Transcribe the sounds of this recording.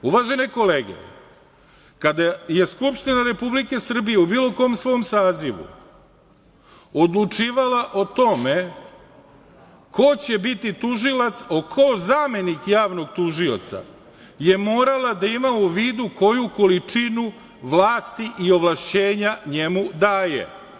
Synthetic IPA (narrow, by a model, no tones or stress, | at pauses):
uʋaːʒe̞neko̞leːɡḛ | kad̪aje̞skupʃt̪inaɾe̞publike̞sr̩bije̞ubiːlˠo̞ko̞msʋo̞msaːziʋṵ | o̞d̪lˠut͡ʃiːʋalaʔo̞t̪o̞me̞ | ko̞t͡ɕe̞bit̪it̪uʒilat̪sokʰozaːme̞nikjaːʋno̞ɡ̚t̪uʒio̞̰t̪sa̰ | je̞mo̞ːɾalad̪aimauʋiːd̪uko̞juko̞lit͡ʂinu | ʋlaːst̪iʔio̞ʋlˠaʃt͡ɕe̞ːɲaɲe̞mud̪aːjḛ